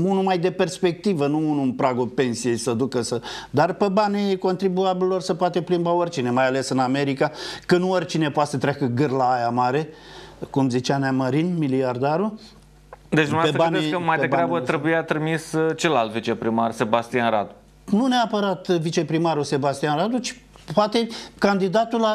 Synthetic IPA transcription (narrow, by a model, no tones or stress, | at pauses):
unumajd̪e̞pe̞rspe̞k̚t̪ivənuunuɨnpɾaɡolpe̞nsije̞jsəd̪ukəsəd̪arpe̞baniko̞nt̪ɾibuabillo̞rsəpoat̪eplimbaorʲt͡ʃine̞majale̞sɨname̞ɾikakənuorʲt͡ʃine̞poat̪sət̪ɾeakəɡɨrlaːjamaɾe̞ | kumzit͡ʃanaməɾinmiliard̪aɾu | d̪et͡ʃd̪umneaet̪əbaknd̪eskəmajdeebɡɾabət̪ɾebujat̪ɾimist͡ʃe̞lalt̪vit͡ʃe̞pɾimarse̞bast̪ijanɾa̰d̪u | nuneapəɾat̪vit͡ʃe̞pɾimaɾuse̞bast̪ijanɾad̪ut͡ʃi̥ | poat̪e̞kand̪id̪at̪ula